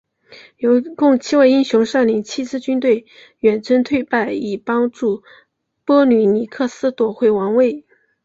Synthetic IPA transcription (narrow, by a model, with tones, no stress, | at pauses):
jo˧˥ʊkʊ˥˩ŋt͡ɕʰi˥wa˥˧ɪi˥nɕjʊ˧˥ŋʂa˥˩nli˧˥ŋt͡ɕʰi˥t͡sɹ̩˥˧t͡ɕy˥nt̪̬we˥˩ɪ | ɥɛ˨˩nt͡sʰwə˥nt̪ʰwe˥˧ɪpa˥˩ɪi˨˩pɑ˥ŋʈ͡ʂu˥˩ | pwɔ˥ny˧˥˩ni˨˩kʰɤ˥˧sɹ̩˥t̪wɔ˨˩xwe˥˩ɪwɑ˧˥ŋwe˥˩ɪ